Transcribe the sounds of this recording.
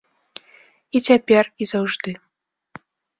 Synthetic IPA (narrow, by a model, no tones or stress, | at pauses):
it͡sʲapʲɛrizawʐd̪ɨ